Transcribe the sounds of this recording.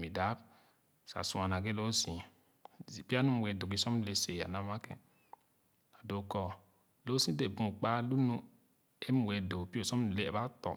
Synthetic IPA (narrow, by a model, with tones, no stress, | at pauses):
mi˨da˨˦b̚ | sa̰˨su˨a˨na˨ɡe˦lo˦sĩ˨ | i˨pi˦a˦nũ˦we˨do˨ki˦sɔ˦m˦le˨se˨a̰˨na˦ma˦kḛ̃˨ | a˨do˨kɔ˨ | lo˦sĩ˦de˨bũ˨k͡pa˦lu˦nu˦ | e˦m˦we˨do˨pi˦o˨sɔ˦m˨le˦ḛ˨ba˦tɔ̰˨